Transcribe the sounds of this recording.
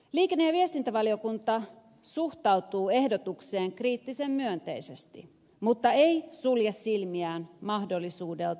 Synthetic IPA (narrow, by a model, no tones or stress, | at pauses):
liːkenːejɑʋiest̪int̪æʋɑlio̞kunt̪ɑ | suht̪ɑwt̪uːe̞hdot̪ukse̞ːŋkriːt̪ːise̞mːyønt̪e̞̰ise̞st̪ḭ | mut̪ːɑejsuljesːilmiæːnmɑhdo̞lːisuːde̞lt